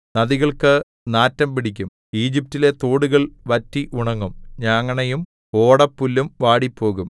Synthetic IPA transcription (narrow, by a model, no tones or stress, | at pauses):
nɐðiɣɐɭkɨ | naːtːɐmpiɽikʲːum | iːd͡ʑip̚tile̞t̪oːɽuɣɐɭʋɐtːiʔuɳɐŋːumɲaːŋːɐɳejum | o̞ːɽɐpːulːumʋaːɽipːo̞ːɣum